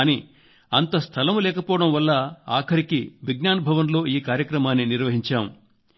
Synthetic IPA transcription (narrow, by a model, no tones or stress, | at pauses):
ni | ɐnt̪ɐst̪ʰɐlɐmlɛːkɐpɔːɽɐmʋɐlːɐaːkʰɐɾikiʋiɡnaːnɐbʱɐʋɐnlo̞ːiːkaːɾjɐkɾɐmaːnːiniɾʋɐɦiɲt͡ʃaːmu